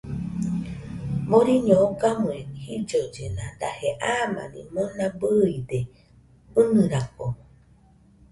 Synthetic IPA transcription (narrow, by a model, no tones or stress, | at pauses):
moɾiɲõokamuẽnhid͡ʒod͡ʒenãd̪aheʔamã̰nḭ̃monãbɨid̪e | ɨnɨ̃ɾako